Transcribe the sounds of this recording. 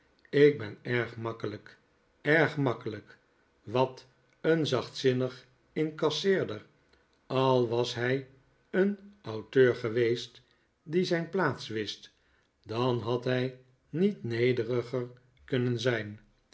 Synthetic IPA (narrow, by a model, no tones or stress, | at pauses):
ɪk̚bɛnɛɹχmɑkələk | ɛɹχmɑkələk | ʋɑt | ənzɑχtsɪnəχ | ɪnkɑsɪːɹdər | ɑlˠʋɑsɦɛj | ənɑwtøːɹχəʋejst | dizɛjnplaːtsʋɪst | d̥ɑnɦɑtɦɛj | nitnejdərəχəɹ | kɵnənzɛjn